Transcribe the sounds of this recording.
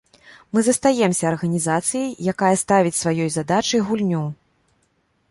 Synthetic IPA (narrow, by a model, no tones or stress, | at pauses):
mɨzɐst̪ajɛmsʲɐːrɣɐnʲizat̪sɨjɐjjakajɐst̪avʲit͡sʲsvajɔjzad̪at͡ʂɨjɣulʲnʲu